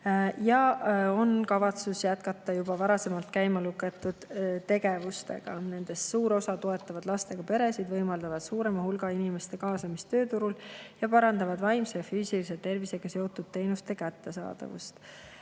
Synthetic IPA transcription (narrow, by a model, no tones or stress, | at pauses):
jɑo̞nkɑvɑt̪susjæt̪kɑt̪ːˑɑjubɑvɑɾɑse̞mɑlt̪kæjmɑlukːˑet̪ːˑud̪̥t̪e̞ɡ̥e̞vust̪e̞̰ɡ̥ɑ̰ne̞nd̪̥e̞ssuːɾo̞sɑt̪o̞e̞t̪ːˑɑvɑd̪̥lɑst̪e̞ɡ̥ɑpe̞ɾe̞sid̪vɤ̞jmɑld̪̥ɑvɑd̪̥suːɾe̞mɑhulɡ̥ɑinime̞st̪e̞kɑːsɑmist̪ø̞ːt̪uɾuljɑpɑɾɑnd̪ɑvɑd̪vɑjmsejɑfyːsiliset̪e̞rvise̞ɡ̥ɑseot̪ːˑud̪̥̚t̪e̞jnust̪e̞kæt̪ːe̞sɑ̰ːd̪̥ɑ̰vṵst̪